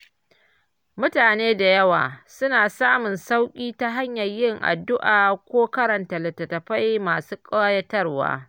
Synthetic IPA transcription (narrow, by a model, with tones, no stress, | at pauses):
mʊ˦taː˨neː˦da˨jɐ˦wa̰ː˨sʊ˦naː˨saː˦mʊ˨nsa˦wkʲʼiː˦ta˦ɦa˦ɲjɐ˨rjɪ˦˨ŋʔa̰˨dʊ˦ʔaː˨kʷoː˦kɐ˦ɾɐ˨ntɐ˨lɐ˨tɐ˨tɐ˨ɸa˦jmaː˨suː˦kʼa˦a˦jɐ˦tɐ˦rwa̰ː˦